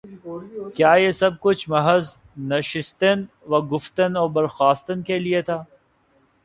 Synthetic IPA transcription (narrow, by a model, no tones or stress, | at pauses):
kjaːjesɐb̚kʊt͡ʃʰmɐɦəz | nɐʃɪst̪en | ʋɐɡʊft̪ənɔːɾbɐɾxaːst̪ənkeliet̪ʰaː